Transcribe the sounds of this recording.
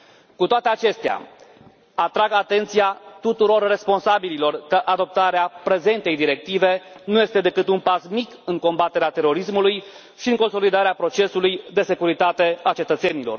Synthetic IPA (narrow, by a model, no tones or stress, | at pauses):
kut̪oat̪e̞at͡ʃe̞st̪ea̰ | at̪ɾaɡat̪e̞nt̪sijat̪ut̪uɾo̞rːe̞spo̞nsabililo̞rkəʔad̪o̞p̚t̪aɾeapɾe̞ze̞nt̪e̞jd̪iɾe̞k̚t̪ive̞nuje̞st̪e̞d̪e̞kɨt̪unpasmikɨŋko̞mbat̪e̞ɾeat̪e̞ɾo̞ɾismuluj | ʃiɨŋko̞nso̞lid̪aɾeapɾo̞t͡ʃe̞sulujd̪e̞se̞kuɾit̪at̪e̞at͡ʃe̞t̪ət̪se̞nilo̞̰r